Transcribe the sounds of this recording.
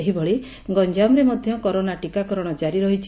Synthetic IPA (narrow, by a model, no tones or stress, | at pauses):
eɦibɔɭi | ɡɔɲd͡ʒamɾemɔd̪ʱjɔkɔɾonaʈikakɔɾɔɽ̃ɔd͡ʒaɾiɾɔɦit͡ʃʰi